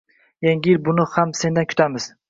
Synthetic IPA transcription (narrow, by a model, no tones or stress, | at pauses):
jaŋʲɾbʊnɪhamse̞nd̪ankʲʰʊ̥t̪ʰamɪz̥